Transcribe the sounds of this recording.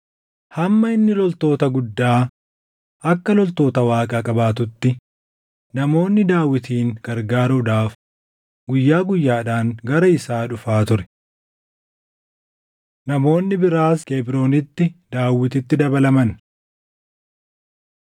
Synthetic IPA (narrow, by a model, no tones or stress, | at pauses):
hɐmːɐɪnːɪlɔlt̪o̞ːt̪ɐɡʊd̪ːaː | ʔɐkːɐlɔlt̪o̞ːt̪ɐwaːkʼaːkʼɐbaːt̪ʊt̪ːɪ | nɐmo̞ːnːɪd̪aːwɪt̪iːŋɡɐɾɡaːɾɐd̪aːf | ɡʊjːaːɡʊjːaːᶑaːŋɡɐɾɐɪsaːᶑʊfaːt̪ʊɾɛ̥ | nɐmo̞ːnːɪbɪɾaːskeːbɪɾo̞ːnɪt̪ːɪd̪aːwːɪt̪ɪt̪ːɪd̪ɐbɐlɐmɐn